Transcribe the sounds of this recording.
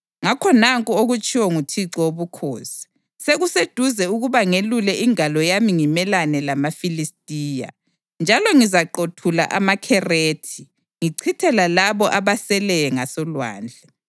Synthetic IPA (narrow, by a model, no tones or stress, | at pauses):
ŋakʰɔnaŋkʼuoɣut͡ʃʼiwɔŋutʰiǀɔwoβukʰoːsi̥ | seɣused̥ʱuzɛuɣuβaŋelulɛʔiŋalɔjamiŋimɛlanɛlamafilistʼiːja̰ | nd͡ʒʱalɔŋizaǃotʰula̰ʔa̰makʰɛreːtʰi | ŋiǀʰitʰɛlalaβɔʔaβasɛlɛjɛŋasɔlwa̰ːnd͡ɮʱɛ